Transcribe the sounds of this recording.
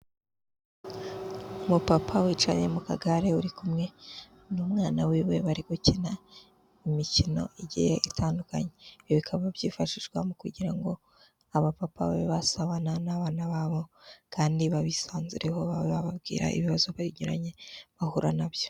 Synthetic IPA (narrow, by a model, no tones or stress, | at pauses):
umupapʰawiːt͡ʃa̰ɲe̞mukaɡaɾe̞uɾikumŋe̞ | numŋaːnawiwe̞βaɾiɡucina | imicino̞̰ʔiɟijeʔitʰaːnduka̰ɲeβikʰaβaβjiːfaʃiʒɡwa̰mukuɟiɾaŋɡo̞ | aβapapa̰weβasaβananaβaːnaβaːβo̞kʰaːndiβaβisaːnziɾe̞ho̞βaweβaβabɡḭːɾa̰ʔḭβiβazoβaɾiɲuɾa̰ɲe̞βahuɾanaβjo